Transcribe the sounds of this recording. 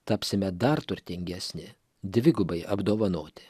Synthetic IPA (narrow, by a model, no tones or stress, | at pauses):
t̪ɐpʲsʲɪmʲɛd̪ɐɾt̪ʊɾʲt̪ʲɪŋʲɡʲɛsʲnʲɪ | d̪ʲʋʲɪɡʊbɐɪʔɐbd̪oːʋɐnoːt̪ʲɪ